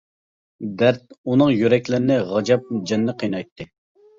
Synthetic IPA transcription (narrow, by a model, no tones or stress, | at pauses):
d̪æɾt̪̚unɨŋjyɾɛkʲlɪɾɪnɪʁɑd͡ʒɑp̚d͡ʒɛnːɨqʰijnɑjt̪ʰːɨ